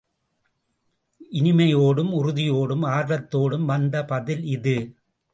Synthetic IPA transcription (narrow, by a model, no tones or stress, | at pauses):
ʔɪnɪmɐjoːɽɯmʊɾʊðɪjoːɽɯmaːɾɾɐt̪ːoːɽɯmʋɐnd̪ɐpɐðɪlɪðɯ